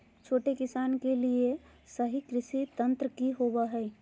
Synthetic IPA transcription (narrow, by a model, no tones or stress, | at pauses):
t͡ʃʰoːʈekɪsaːnkelie | səɦikɾɪʃit̪ə̃nt̪ɾəkiɦobaɦɛɪ